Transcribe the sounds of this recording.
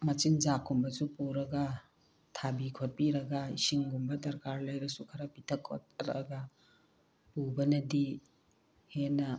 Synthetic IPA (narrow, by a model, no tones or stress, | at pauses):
mɐt͡ʃinzakʰːumbɐsupuɾɐɡɐ | tʰabikʰot̚piɾɐɡɐisiŋɡumbɐdɐɾkaɾlɐjɾɐsukʰɐɾɐpitʰɐkʰːo̰t̚ɾɐ̰ɡɐ | pubɐnɐdi | henːɐ